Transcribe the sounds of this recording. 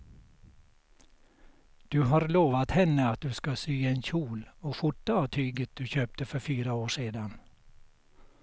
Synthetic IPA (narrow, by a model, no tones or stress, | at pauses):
d̪̥ʉɦaːɾloːʋat̪hɛnːəat̪̚d̪ʉskasyːeːnçuːloːfʊʈːaɑːʋt̪ʰyːɡət̪̚d̪̥ʉçøːp̚t̪əfœɾfyːɾaoːʂeːd̪an